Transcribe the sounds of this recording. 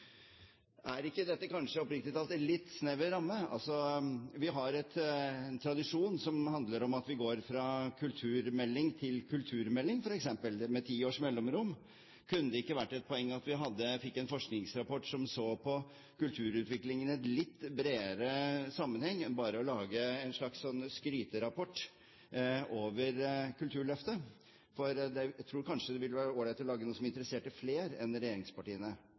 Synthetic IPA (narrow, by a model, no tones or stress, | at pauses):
æɾɪkːəd̪ɛt̪ːəkɑnʂəɔpɾɪkt̪ɪt̪ɑlt̪ɛlɪt̪ːsnɛʋəɾɑmːəɑ̰lsɔʋɪɦɑɾɛt̪ɛnt̪ʰɾɑd̪ɪʂuːnsɔmhɑnd̪ləɾɔmɑt̪ʋɪɡoːɾfɾɑːkʰʉlt̪ʰʉːɾmɛlːɪŋt̪ʰɪlkʰʉlt̪ʰʉːɾmɛlːɪŋfɔɾɛksɛmpəlmɛt̪ʰiːoːʂmɛlːɔmɾʊmː | kʰʉnːd̪əɪkːəʋæʈːɛt̪̚pʰɔɛŋːɑt̪ʋɪɦɑd̪ːəfɪkːɛnfɔʂknɪŋsɾɑpɔʈːsɔmsoːpʰɔ | kʉlt̪ʰʉːɾʉːt̪ʋɪklɪŋənɛt̪lɪt̪ːbɾeːɾəsɑmːənhɛŋːɛnbɑːɾəɔlɑːɡəɛnʂɭɑkssɔnːskɾyːt̪əɾɑpʰɔʈː | oːʋəɾkʉlt̪ʰʉːɭœft̪ə | fɔɾd̪ɛæt̪ʰɾuːɾkʰɑnʂəd̪ɛʋɪlːəʋæːɾəoːɾɪɛt̪lɔlɑːɡənuːəsɔmɪnt̪ɾəseːʈəfleːɾɛnɾɛjeːɾɪŋspɑʈiːənə